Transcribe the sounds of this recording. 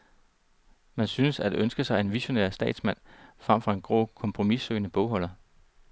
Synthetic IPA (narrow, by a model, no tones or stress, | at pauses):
mænsyːnəsæd̥e̝ʔønsɡ̥əsɑ̈ɪe̝nʋiɕo̝nḛɐ̰sd̥ɛ̰ːd̥smæn̰fʁɑ̈m̰fʁɑ̈e̝nɡ̥ʁo̰ːkʰɒ̽mpʰʁo̝misø̰ːnəb̥ɔʊɦɒ̽l̰ɐ